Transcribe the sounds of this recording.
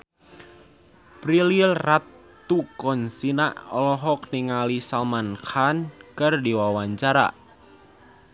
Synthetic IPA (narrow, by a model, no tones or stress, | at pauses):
pɾililrat̪ː | ukɔnsina̰ʔɔ̰lɔɦɔk̚niŋalisalmankʰankɨrdiwawaɲt͡ʃaɾa̰